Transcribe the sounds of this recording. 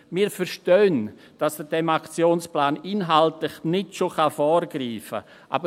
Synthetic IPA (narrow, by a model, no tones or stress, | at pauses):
mɪːɾfɛɾʃtøːn | d̥ɑsd̥ədɛmakt͡sjoːnsplaːnɪnɦaltlɪχnɪtʃoχafɔːrɡriːfə̰ | ʔa̰bə